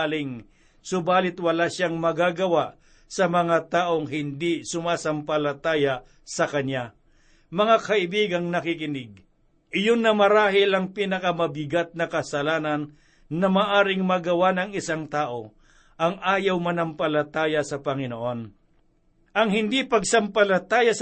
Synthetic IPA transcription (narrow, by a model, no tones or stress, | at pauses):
lɪŋ | sʊbaːlɪt̪wɐlaʃaŋmɐɡaɡɐwaʔ | sɐmɐŋat̪aːʔo̞ŋɦɪnd̪isʊmaːsɐmpɐlɐt̪aːjɐ | sɐkɐɲja | mɐŋakɐʔɪbiːɡɐŋnɐkɪkɪnɪɡ̚ | ʔɪjonːɐmɐɾaːɦɪlɐŋpiːnɐkɐmɐbɪɡat̪̚nɐkɐsɐlaːnɐnː | ɐmaːʔaːɾɪŋmɐɡɐwanɐŋɪsaŋt̪aːʔo̞ | ʔɐŋʔaːjɐwmɐnɐmpɐlɐt̪aːjɐsɐpɐŋɪnoʔo̞n | ʔɐŋhɪnd̪ipɐɡ̚sɐmpɐlɐt̪aːjɐs